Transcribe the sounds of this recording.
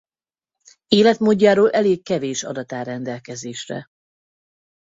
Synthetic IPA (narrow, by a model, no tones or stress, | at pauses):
eːlɛt̪moːɟːaːɾoːlʔɛleːkːɛveːʃɒ̰d̪ɒt̪aːɾɛnd̪ɛlkɛzeːʃrɛ̰